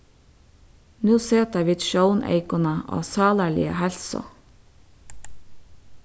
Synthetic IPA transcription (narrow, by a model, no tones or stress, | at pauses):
nuːseːt̪æʋɪd̪ʃəʊnʔḛɪkʊnəʔo̰ːsɑːlæɭɪ̰ə̰hɛlsɔ̰